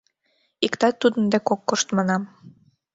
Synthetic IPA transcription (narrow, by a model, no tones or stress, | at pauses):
ikt̪ɑt̪ːud̪ə̆nd̪ekokːoʃt̪mɑnɑm